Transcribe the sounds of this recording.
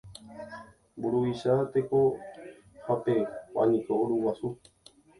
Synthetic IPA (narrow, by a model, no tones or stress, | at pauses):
mbuɾuʋiʃat̪eko | hape̞pa̰nĩkooɾuwasu